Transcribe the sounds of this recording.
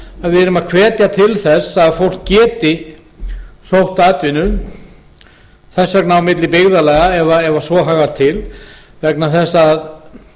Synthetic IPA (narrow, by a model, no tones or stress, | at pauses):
aðvɪðɛɾʏmaðkʰvɛːt̪jat̪ʰɪlθɛsːaaːðfowl̥kcɛːt̪ɪ | sowht̪at̪vɪnʏ | θɛsːvɛk̚nawmɪt̪lɪpɪɣðalɛːɣaɛvaɛvasvɔɦaːɣaɾ̥t̪ʰɪl | vɛknaθɛsːaːð